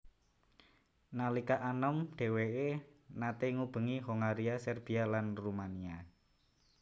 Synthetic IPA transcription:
nalikaʔanəmɖ̥e̤weenat̪eŋub̥ə̤ŋiɦoŋaɾiasɛrb̥i̤alanrumania

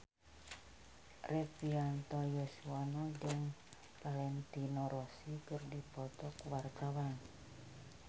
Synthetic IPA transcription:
repiant̪ɔjosuanɔd͡ʒəŋ | palɛnt̪inɔɾɔsikərdipɔt̪ɔkwart̪awan

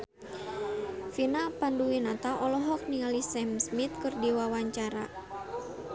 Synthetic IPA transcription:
finapanduwinat̪aʔɔlɔɦɔk̚niŋalisɛmsmit̪̚kɨrdiwawaɲt͡ʃaɾa̰

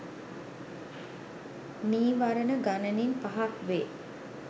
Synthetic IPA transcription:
niːʋaɾənəɡanəninpaɦakʋeː

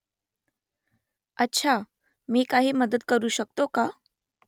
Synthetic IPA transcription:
ətːɕʰa | miːkaɦiːməd̪əd̪kəɾuːɕək̚t̪oka

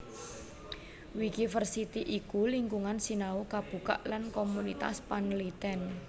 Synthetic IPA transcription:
wikifərsit̪iʔikuliŋɡuŋansinaukab̥ṳka̰ʔlankomunit̪a̰spanlit̪ɛn

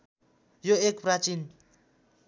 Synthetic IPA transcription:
joekprat͡ʃin

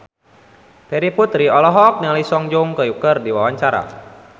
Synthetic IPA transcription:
t̪ɛɾiput̪ɾiɔlɔɦɔk̚naŋlisɔŋd͡ʒuŋkəjukərdiwawaɲt͡ʃaɾa̰

